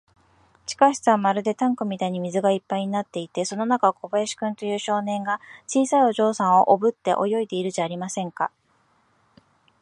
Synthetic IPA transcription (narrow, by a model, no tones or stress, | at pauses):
t͡ɕi̥kaɕi̥t͡sɨβamaɾɯ̟d̪e̞t̪ãŋkɯ̟mʲit̪aiɲ̟imʲizɨɡaipːaiɲ̟inat̪ːe̞it̪e̞so̞no̞nakaoko̞baeɕi̥kɯ̟̃nt̪o̞jɯ̟ːɕo̞ːnẽ̞ŋɡat͡ɕiːsaio̞ʑo̞ːsãɰ̃o̞̰ʔobɯ̟t̪ːe̞̰ʔo̞̰jo̞id̪e̞iɾɯ̟ʑaːɾʲimasẽ̞ŋka